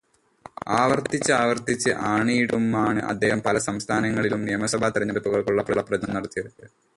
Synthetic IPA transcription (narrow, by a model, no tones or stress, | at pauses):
aːʋɐrt̪it͡ɕːɨaːʋɐrt̪it͡ɕːɨʔaːɳijiɽumaːɳɨ̰ʔɐ̰d̪ːe̞ːhɐmpɐlɐsɐmst̪ʰaːnɐŋːɐɭilumnijɐmɐsɐbʱaːt̪iɾɐɲːɐɽupːuɣɐɭkuɭːɐpːɐlːɐprɐd͡ʑnɐmnɐɾɐt̪ːijɐɾunːɨ